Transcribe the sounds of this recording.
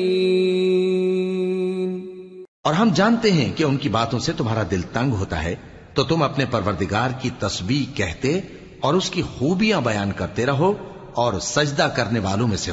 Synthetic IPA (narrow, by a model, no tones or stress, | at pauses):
ɔːɾɦɐmd͡ʒaːnt̪eɦɛ̃keʊnkibaːt̪õset̪ʊmɦaːɾad̪ɪlt̪ɐ̃ŋɡɦoːt̪a̰ɦɛ | t̪ot̪ʊmɐpnepɐɾʋəɾd̪ɪɡaːɾkit̪ɐsbiːkɛɦt̪e | ɔːɾʊskixuːbijãbɐjaːnkɐɾt̪eɾɐɦo | ɔːɾsɐd͡ʒd̪akɐɾneʋaːlõmẽse